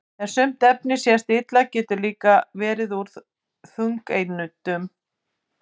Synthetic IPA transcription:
θɛ̥sʏm̥t̪ɛpnɪsjɛst̪ɪt̪lacɛːt̪ʏɾliːkavɛːɾɪðuɾð | θuŋkejnʏt̪ʏm

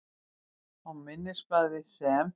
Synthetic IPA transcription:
ɔwmɪnːɪ̥spaːðvɪsɛm

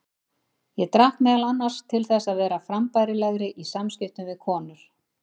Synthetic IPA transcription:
jɛt̪ɾahkmɛːðalanːaɾ̥st̪ʰɪlθɛsːaðvɛːɾafɾampajɾɪlaɣɾɪʔisamscɪht̪ʏmvɪðkʰɔːnʏɾ̥

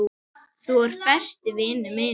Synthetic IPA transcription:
u | θuɔɾ̥fɛ̥st̪ɪvɪːnʏmɪ

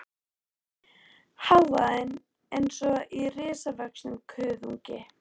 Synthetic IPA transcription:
hawvaðɪn | ejnsɔirɪːsavœksnʏmkʰʏːðuŋcɪ

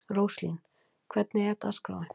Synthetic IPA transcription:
ɾowslḭn | kʰvɛt̪nɪɛɾt̪askɾa̰ːwɪ

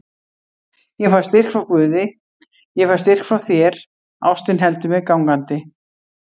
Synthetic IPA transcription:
jɛfḁst̪ɪr̥kfɾawkvʏːðɪ | jɛfḁst̪ɪr̥kfɾawθjɛɾ | a̰wst̪ɪnɦɛlt̪ʏmɛðkawŋkant̪ɪ

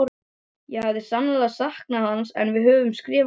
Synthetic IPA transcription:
ɾ | jɛhavðɪsanːalasahk̚nahansɛ̰nvɪðɦœːvʏmskɾɪːv

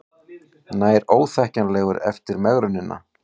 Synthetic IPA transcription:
naːjɾoːwθɛhcanlɛːɣʏɾɛ̰ft̪ɪɾmɛɣɾʏnːɪnːʔa̰

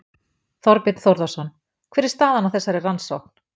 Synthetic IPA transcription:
θɔɾpɪt̪θɔwɾðasɔn | kʰvɛːɾɛɾst̪aːðanawθɛsːaɾɛranso̰wkn̥

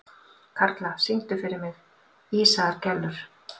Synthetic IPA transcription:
kʰaɾt̪lasiŋ̥t̪ʏfɪɾɪɾmɪð | iːsaɾ̥cɛlːʏɾ̥

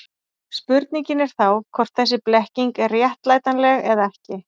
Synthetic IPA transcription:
spʏɾt̪niɲcɪnɛɾ̥θawkʰɔr̥t̪̚θɛs̬ːɪplɛhciŋkɛrːjɛht̪laːjt̪anlɛɣɛðaɛhcɪ

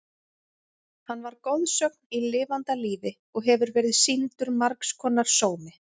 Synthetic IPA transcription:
hanːvaɾkowðsœk̚nilɪːvant̪aliːvɪ | ɔɣɦɛvʏɾvɛːɾɪðsint̪ʏɾmaɾkskʰɔːnːaɾ̥soːwmɪ

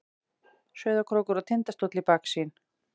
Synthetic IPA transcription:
sœːɥðakʰɾowkʏɾat̪ʰɪnt̪ast̪ot̪lɪpaksin

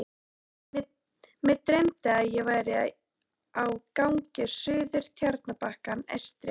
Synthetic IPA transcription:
mɛðt̪ɾejmt̪ɪaðjɛɣvaːjɾɪ | awkawɲcɪsʏːðʏɾ̥t̪ʰjaɾt̪napahkanɛ̰st̪ɾɪ

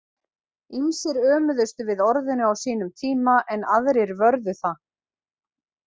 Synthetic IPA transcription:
insɪɾœːmʏðʏst̪ʏvɪðɔɾðɪnʏawsiːnʏmt̪ʰiːmaʔɛnaðɾɪɾvœɾðʏθa

